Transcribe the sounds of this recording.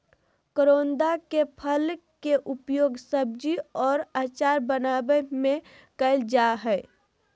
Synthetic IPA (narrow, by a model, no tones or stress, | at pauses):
kəɾoːnd̪akepʰəl | keʔʊpjoːɡsəb̚d͡ʒiɔːɾaːt͡ʃaːɾbənabəmẽ | kəɪld͡ʒaɦɛɪ